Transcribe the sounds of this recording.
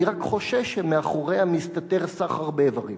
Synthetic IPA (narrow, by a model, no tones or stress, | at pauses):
iʁakχo̞ʃevʃemeaχoʁeamist̪at̪eʁsaχhaʁbevaʁim